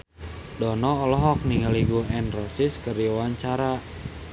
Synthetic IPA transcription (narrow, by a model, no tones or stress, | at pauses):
dɔnɔɔlɔɦɔk̚niŋaliɡuɛnrɔsiskəɾiwaɲt͡ʃaɾa